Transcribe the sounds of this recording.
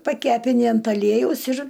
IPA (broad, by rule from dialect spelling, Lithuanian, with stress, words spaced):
pɐˈkʲæːpʲɪnʲɪ ɐnt ɐˈlʲiɛjɛʊs ɪr